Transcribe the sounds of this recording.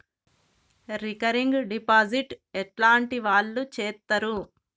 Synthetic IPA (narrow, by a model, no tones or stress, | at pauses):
ɾikɐɾiŋɡɖipaːd͡ʒiʈɛʈlaːɳʈiʋaːɭːut͡ʃɛːt̪ːɐɾu